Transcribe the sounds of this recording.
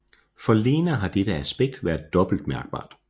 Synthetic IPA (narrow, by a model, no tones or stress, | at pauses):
fɒ̽le̝ːnɐːɦɑ̈d̥ed̥əæsb̥eɡ̥̚d̥ʋæːɐð̥ˠːɒ̽b̥l̩d̥mæɐɡ̥̚b̥ɑ̰̈ːd̥